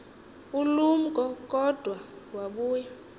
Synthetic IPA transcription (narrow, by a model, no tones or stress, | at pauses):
ulum̩kʼɔkʼɔd̥ʱwawaɓuːja